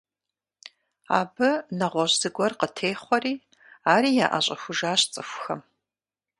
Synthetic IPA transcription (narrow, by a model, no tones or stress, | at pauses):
a̰ːbɨnɐʁʷɔʑz̥ɨɡʷɔrqətʰeːχʷɔriː | aːɾiːjaːʔa̰ɕʼɐxʷʊʒaːɕt͡sʼɨxʷxɐm